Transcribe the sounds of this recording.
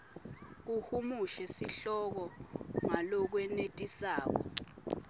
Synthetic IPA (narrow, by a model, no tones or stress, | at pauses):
k̬uhumuʃɛsiɬɔk̬ɔŋalɔk̬wɛnetʼisaːk̬ɔ̰